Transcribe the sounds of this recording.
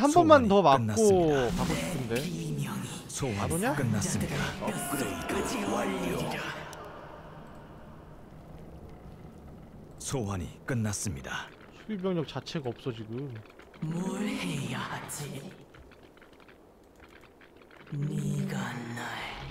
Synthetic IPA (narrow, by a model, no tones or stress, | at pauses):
hambʌnmantʌmaknːak͈okakoɕʰiptʰɯnde̞imjʌŋisʰowaɾoɲakɯnːaɯmiak͈ɯɾeɯd͡ʑiwaʎːioia | sʰowaɲḭk͈ɯnːas͈ɯmɲida | sʰuibjʌŋɲʌk̚t͡ɕat͡ɕʰe̞ɡaʌp̚s͈ʌd͡ʑiɡumoɾhejahad͡ʑi | niɡanːa